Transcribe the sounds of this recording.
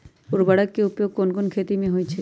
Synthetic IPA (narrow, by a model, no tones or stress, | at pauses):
uɾbaɽakkeupjoɡ̚konkonkʰet̪imeɦojt͡ɕʰe